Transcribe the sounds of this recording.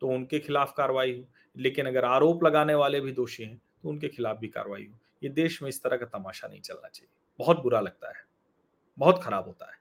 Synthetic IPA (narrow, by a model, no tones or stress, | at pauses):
t̪oʊnkexɪlaːfkaːɾʋaːiɦoː | leːkɪnɐɡəɾaːɾoːplɐɡaːneʋaːlebʱid̪oːʃeɦɛ̃ | t̪oʊnkexɪlaːfbʱika̰ːɾʋaːḭɦoː | jed̪eːʃmẽɪst̪ɐɾəkat̪ɐmaːʃanɐ̰ɦĩt͡ʃɐlna̰t͡ʃaːɦie | bɐɦʊt̪̚bʊɾalɐɡ̚t̪a̰ɦɛː | bɐɦʊt̪xɐɾaːbɦoːt̪a̰ɦɛː